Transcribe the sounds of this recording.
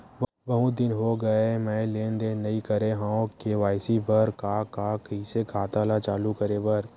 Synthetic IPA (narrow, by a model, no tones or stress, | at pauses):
ʋ | ʋɐɦũd̪ɪnɦoɡɐemɛ̃ːleːnd̪enɐĩkɐɾeɦãõkeʋaːɪsibəɾkakakəisekʰaːt̪alat͡ʃaːlukəɾebəɾ